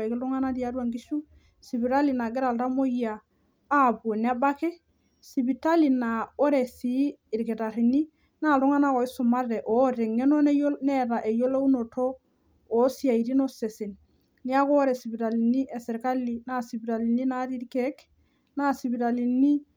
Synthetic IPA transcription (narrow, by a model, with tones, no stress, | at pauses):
e˨kɪ˦lu˦ŋa˦na˦di˦a˦ɾwa˦ŋɡi˦ʃu˦ | si˨bi˨ɾa˦li˨na˨ɡɪ˦ɾa˨lta˦mo˦jaː˨˦˨ | bu˨n˦a˦ba˦ke˦ | si˨bi˨ta˦li˨na˨o˦ɾe˨siː˨˦˨ɾki˨ta˨ɾi˨ni˦ | na˦˨lʊ˦ŋa˦na˦kɔ˨ɪ˦sʊ˨ma˦ɾe˨ʔɔ˨˦ɾe˨ŋːe˦no˦njne˦ɾa˨ʔe˨jo˦lo˦u˦no˨tʰoː˦˨˦ | si˦a˨i˨ɾi˦no˦se˨se˨n | ni˦a˦ko˦ɾe˨si˨bi˨ta˨li˨ni˦ʔe˨sɛ˨ɾka˦li˨na˦˨si˨bi˨ɾa˨li˨ni˦na˦ɾi˦ɾke˦k | na˦˨si˨bi˨ɾa˨li˨ni˦